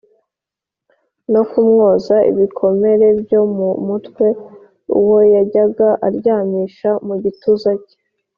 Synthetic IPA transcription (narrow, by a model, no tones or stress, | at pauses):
no̞kumŋo̞ːzaḭβikʰo̞me̞ɾe̞bjo̞mumutkwe̞ | ṵwojaɟaɡaʔaɾɟaːmiʃamuɟituzace̥